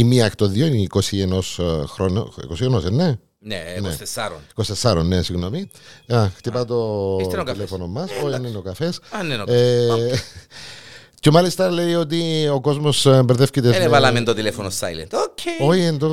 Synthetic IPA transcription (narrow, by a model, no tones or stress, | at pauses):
imiɐkt̪oðioinikosienosxɾono̰ḭkosienosenːe | nenesɾo̰ikost̪esːɐɾonːesiɣno̞miɐxt̪ipɐt̪ookilefonomɐsoienːenokɐfesanenoe | cemɐlist̪ɐle̞jo̞t̪̬ioko̞zmosembeɾðefcit̪esevɐlɐment̪ot̪ilefonost̪a̰jlḭnooiend̪o